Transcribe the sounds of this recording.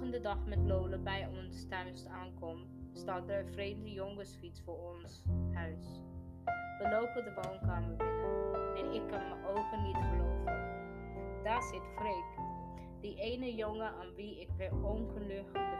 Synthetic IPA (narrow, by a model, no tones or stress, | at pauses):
əndədɑχmɛtlowləbɛjɔnstœɥnstaːnkɔm | staːtəɹəfrejmdəjɔŋəsfit͡sfʊːɹɔnsɦœɥs | ʋəlowpədəʋoːnkaːməɹd | ɛnɪkːɑnməʔowχənitχəlotə | d̥aːɹzɪtfrejk | diʔejnəjɔŋəʔaːnʋiɪkbɛɔnχəlɵχtə